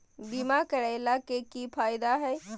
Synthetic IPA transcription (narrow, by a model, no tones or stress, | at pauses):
bimakəɾaːlakekipʰaːjɪd̪aɦɛ